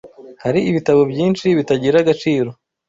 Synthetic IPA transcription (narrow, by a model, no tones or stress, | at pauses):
haɾiiβitaβo̞bɟiːnʃiβitaɟiɾaɡat͡ʃiːɾo̞